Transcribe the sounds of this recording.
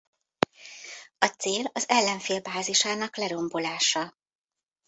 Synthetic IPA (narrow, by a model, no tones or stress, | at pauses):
ɒt̪seːlɒzɛlːɛɱfeːlbaːziʃaːnɒklɛɾo̞mbo̞laːʃɒ